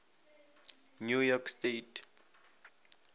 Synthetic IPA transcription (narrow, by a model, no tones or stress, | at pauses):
njujɔkstetʰ